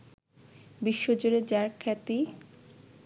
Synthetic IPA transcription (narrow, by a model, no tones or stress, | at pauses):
biʃːod͡ʑoɾed͡ʑaɾkʰɛt̪i